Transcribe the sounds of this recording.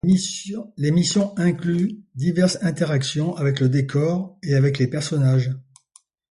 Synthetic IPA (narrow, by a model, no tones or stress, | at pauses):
lemisjɔ̃ɛ̃klyd̪ivɛʁsɛ̃t̪eʁaksjɔ̃ʔavɛkləd̪ekʰɔʁeavɛklepɛʁsɔnaʒ